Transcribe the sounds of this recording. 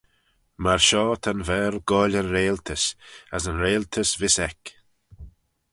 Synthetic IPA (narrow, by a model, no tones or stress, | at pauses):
maɹʃɔːt̪ʰanvɛːɾɡɔːlənɾeːlt̪ʰəsazənɾeːlt̪ʰəsvɪsɛk